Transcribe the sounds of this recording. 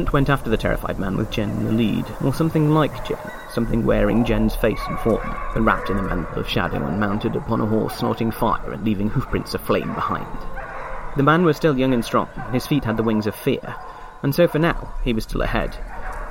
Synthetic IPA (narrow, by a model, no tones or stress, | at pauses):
n̩t̚wɛ̃ntæftə˞ðɨtʰɛ̰ɹɨ̰faɪd̚mæ̃nwɨ̰ðd͡ʒɛ̃nn̩ðɨlḭdʔə˞sʌ̃mθɪ̃ŋlaɪk̚d̥ʒ̥ɛ̰̃n | sʌ̃mθɪ̃ŋwɛ̰ɹɪ̰̃ŋd͡ʒɛ̃nz̥feɪsn̩fɔ̰ɹmð̥ɨt̚ɹæ̰p̚tɨ̃nɨmæ̰̃ntl̩ˠʌ̰v̥ʃa̰ɾɪ̰̃ŋə̰̃nmãʊ̃ntɨɾɨpʰɑ̃nʔəɦɔ̰ɹsnɔ̰ɾɪ̃ŋfaɪə̰˞ɨ̰̃nlivɪ̃ŋhʉfpʰɹ̥ɪ̃nsɨflẽɪ̃mbəhã̰ɪ̃nd̥ | ðɨmæ̃nwʌz̥stɪlˠjʌ̃ŋɨ̃nstɹ̥ɔ̰̃ŋɨ̃n̩ɨz̥fit̚ɦɨd̪̚ðəwɪ̃ŋzʌv̥fɪ̰ɹ | ɨ̃nsoʊfə˞naʊiwʌz̥stɪlˠə̰hɛ̰d̥